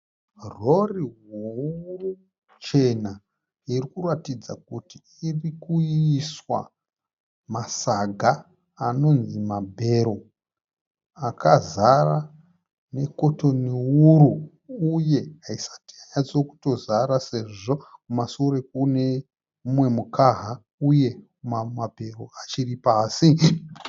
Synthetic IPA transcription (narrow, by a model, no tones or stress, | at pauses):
ro̞riɦuru | t͡ʃe̞na | irikuratid͡zakuti | irikuːswa̰ | masaɡʱaː | no̞nzimabʱe̞ɾo̞ | akazara | ne̞ko̞to̞niuɾu | uje̞ɦaisḁtiaɲat͡so̞ku̥to̞zaɾase̞ʐoumasoɾe̞k̚une̞ | umwe̞mukaɦa | uje̞ | mamabʱe̞ro̞at͡ʃiripaːsi